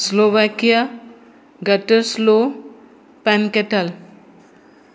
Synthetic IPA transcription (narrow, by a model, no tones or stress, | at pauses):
sloʋakija | ɡəʈəslo | pɛ̃nkeʈəl